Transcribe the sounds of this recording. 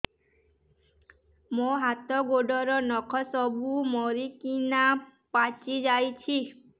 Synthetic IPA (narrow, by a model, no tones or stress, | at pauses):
moɦat̪ɔɡoɖɔɾɔnɔkʰɔsɔbumɔɾikinapat͡ʃid͡ʒajt͡ʃʰi